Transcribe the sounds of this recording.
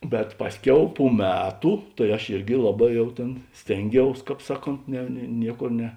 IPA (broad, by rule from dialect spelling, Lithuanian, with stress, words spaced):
bʲɛt ˈpɑːsʲˌkʲɛʊ pʊ ˈmʲæːtʊ tɐɪ ɐʃ ˈɪrʲɡʲɪ ˈlˠɑːˌbɑː ˈjɛʊ tʲeːn ˈsʲtʲeːŋʲˌɡʲɛʊs ˈkɑːp ˈsɑːˌkoːnt nʲɛ nʲiɛ ˈnʲiɛˌkoːr nʲɛ